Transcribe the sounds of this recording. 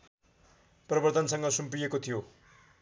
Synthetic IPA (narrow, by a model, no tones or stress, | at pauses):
prʌbʌrt̪ʌnsʌŋɡʌsumpijekot̪ʰijo